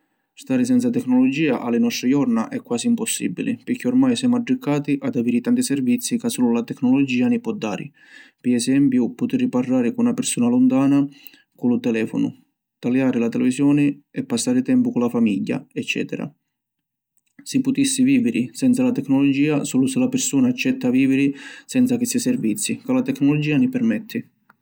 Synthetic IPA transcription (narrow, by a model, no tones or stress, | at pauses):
st̪aːɾɪs̬ɛnt̪sat̪ɛkːnɔlɔd͡ʒiːaʔalːɪnɔst̪ɾijɔrnaʔɛkːwaːsiːmpɔsːḭbḭlɪ̰pɪk̟ːiɔrmajsɛmaɖɾikːaːt̪iʔad̪aviːɾit̪ant̪isɛrvit̪sːikasːuːlulat̪ɛkːnɔlɔd͡ʒiːanipɔd̪ːaːɾɪ̰ | piɛsɛmpjupʊt̪irːiparːaːɾɪkunnapɪɾsuːnalɔnt̪aːna | kulʊt̪ɛlɛːfɔ̰nʊ̰ | t̪aljaːɾɪlat̪ɛlɛvisjɔːnɪɛpːasːaːɾɪt̪ɛmpʊkʊlafamiʎːa̰ɛt͡ʃːɛ̰ːt̪ɛ̰ɾa̰ | sipʊt̪isːiviːvɪɾʔɪsɛnt̪salat̪ɛkːnɔlɔd͡ʒiːasuːlʊsɪlapɪrsuːnaːt͡ʃːɛt̪ːaviːvɪɾisɛnt̪sakɪsisɛrvit̪sːikalat̪ɛknɔlɔd͡ʒiːanipɛrmɛt̪ʰːɪ